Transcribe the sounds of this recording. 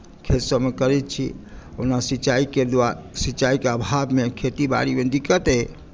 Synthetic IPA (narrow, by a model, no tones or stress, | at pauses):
kʰesəmekəɾɛt̪̚t͡ʃʰḭə̰nasit͡ʃaiked̪asit͡ʃaikeəbʱabmekʰet̪iba̰ɽimed̪ikət̪e